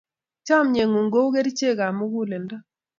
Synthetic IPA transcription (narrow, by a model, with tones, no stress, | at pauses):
t͡ʃa˦mɲe˨ŋu˨ŋɡo˦u˦ɣe˦ɾi˦t͡ʃe˦˨ɣa˨mu˦ɣu˦le˨nda˦